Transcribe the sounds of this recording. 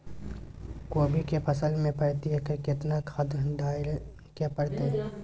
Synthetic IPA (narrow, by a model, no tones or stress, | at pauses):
koːbʱikepʰɐsəlmẽpɐɽt̪iɦekekɪt̪nakʰad̪d̪aːɪɾ | kepəɽt̪eɦɛ̃